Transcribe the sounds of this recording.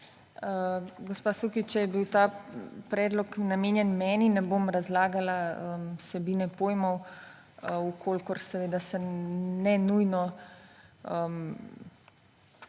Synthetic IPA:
əɡospaːsukit͡ʃɛjɛbiwt̪aːpɾɛːd̪lɔknameːnjɛnmɛːninɛbomɾazlaːɡalaəsɛbiːnɛpoːjmɔw | ukʰolkɔɾsɛʋeːd̪asɛnɛnujnɔ | əm

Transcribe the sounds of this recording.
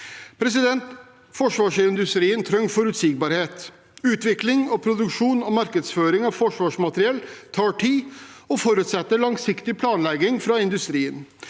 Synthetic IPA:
pʰɾɛsɪd̪ɛnt̪ | fɔʂʋɑːʂɪnd̪ʉst̪ɾiːənt̪ʰɾœŋfɔɾʉːt̪sɪɡ̚bɑːɾheːt̪ | ʉːt̪ʋɪklɪŋɔpʰɾʊd̪ʉkʂuːnɔmɑɾkəd̪sføːɾɪŋɑʋfɔʂʋɑːʂmɑt̪ɾɪɛlt̪ʰɑːʈʰiːɔfɔɾʉt̪sɛt̪ːəɭɑŋsɪkt̪ɪpʰlɑːnlɛɡɪŋfɾɑɪnd̪ʉst̪ɾiːən

